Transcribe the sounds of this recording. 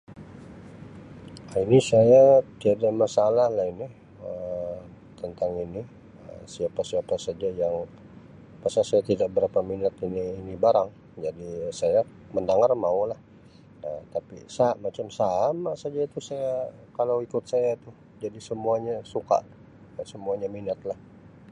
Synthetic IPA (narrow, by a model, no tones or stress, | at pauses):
ainisajat̪iadamasalahlahini | ə | t̪ənt̪aŋini | ə̰siapasiapasad͡ʒajaŋ | pasasajat̪idaʔ̚bəɾapaminat̪iniːnibaɾaŋ | d͡ʒadisaja | məndaŋarmaulah | ət̪apḭsaʔmat͡ʃamsamasad͡ʒat̪usaja | kalawikʊt̪̚sajat̪ʊ | d͡ʒadisəmuaɲasuka̰ʔ | səmuaɲaminat̪̚lah